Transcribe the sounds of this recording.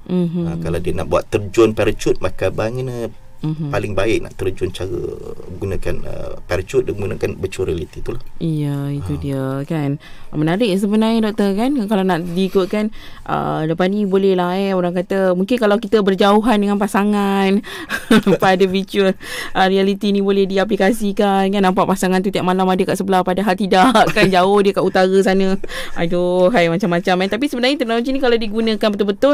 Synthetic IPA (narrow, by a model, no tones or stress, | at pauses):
m̩ɦkalawdiənaʔbua̰t̪ːərd͡ʒʊnpɛɾət͡ʃʊt̪̚makabaŋənə | m̩ɦpalɪŋbaɪk̚na̰ʔt̪əɾd͡ʒʊnt͡ʃaɾə̰ɡunakanə̰pɛɾət͡ʃʊt̪̚dəŋɡunakanbət͡ʃəɾialit̪it̪ulahijəit̪udiəkan | mənaɾɪʔ̚səbənaɲdɔk̚t̪ərkankalawnaʔdikʊt̪̚kanʔə̰dəpanibolɛhlaɛoɾaŋkat̪əmuŋkɪnkalawkit̪əbərd͡ʒauɦandəŋanpasaŋan | padəfit͡ʃuəlʔrialit̪inibolɛhdiap̬likasikankanːãmpaʔpasaŋant̪ut̪iaʔmalamadəkaʔsəbəlahpadaɦalt̪idaʔkːand͡ʒaʊhdiəkaʔut̪aɾəs̬anə̃adoɦajmat͡ʃamːat͡ʃamɛnt̪ap̬isəbənaɲət̪unaut͡ʃinikalawdiɡunə̃kanbət̪ʊlbət̪ʊ